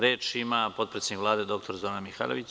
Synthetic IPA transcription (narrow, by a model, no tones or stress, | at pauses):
ɾe̞ːt͡ʃimapo̞t̪pɾet̪seikʋlˠaːd̪e̞d̪o̞k̚t̪o̞ɾzoːɾanmixa̰ːloʋit͡ɕ